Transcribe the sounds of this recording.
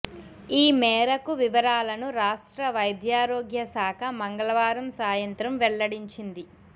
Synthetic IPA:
iːmɛːɾɐkuʋiʋɐɾaːlɐnuɾaːʂʈɾɐʋɐjd̪jaːɾoːɡjɐsaːkʰɐmɐŋɡɐɭɐʋaːɾɐmsaːjɐnt̪ɾɐmʋɛɭːɐɽiɲt͡ʃind̪i

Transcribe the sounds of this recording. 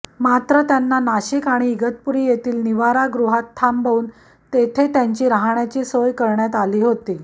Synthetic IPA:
mat̪ɾət̪janːanaɕikaɽ̃iːɡət̪̚puɾiːjet̪iːlniʋaɾaɡɾuɦat̪ʰːambʱauːn | t̪et̪ʰet̪jaɲt͡ɕiːɾaɦɳjat͡ɕiːsojkəɾɳjat̪aliːɦot̪iː

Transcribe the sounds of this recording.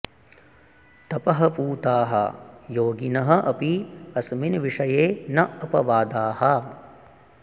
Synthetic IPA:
t̪ɐpɐɦɐpuːt̪aːɦɐ̰joːɡinɐɦɐʔɐpiɐsminʋiʂɐjeːnɐɐpɐʋaːd̪aːɦɐ

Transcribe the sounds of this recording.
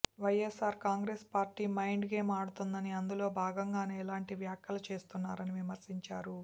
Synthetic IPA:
ʋɐjesaːɾkaːŋɡɾeːspaːɾʈiːmɐjɳɖɡe̞ːmaːɽut̪und̪ɐniɐnd̪ulo̞ːbʱaːɡɐŋɡaːneːɛlaːɳʈiʋjaːkjɐlɐt͡ʃe̞ːst̪unːaːɾɐniʋimɐɾsiɲt͡ʃaːɾu

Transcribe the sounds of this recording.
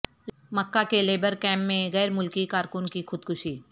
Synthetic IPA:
məkːakeleːbəɾkɛ̃ːmːẽɣɛːɾmʊlkikaːɾkʊnkixʊd̪̚kʰʊʃiː

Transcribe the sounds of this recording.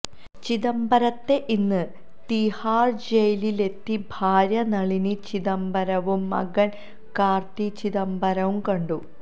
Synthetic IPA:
t͡ɕiðɐmbɐɾɐt̪ːe̞ʔinːɨ | t̪ihaːrd͡ʑejlile̞t̪ːibʱaːɾjɐnɐɭinit͡ɕiðɐmbɐɾɐʋumːɐ̰ɡɐn | kaːrt̪it͡ɕiðɐmbɐɾɐʋumkɐɳɖu

